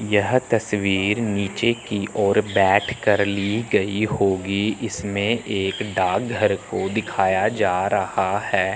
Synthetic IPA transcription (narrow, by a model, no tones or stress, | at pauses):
jɐɦt̪ɐsʋiːɾniːt͡ʃekiʔʔɔːɾbɛːʈʰkɐɾliɡɐiɦoːɡiɪsmẽʔeːkɖaːk̚ɡʱəɾkod̪ɪkʰaːjad͡ʒaːɾɐhahɛː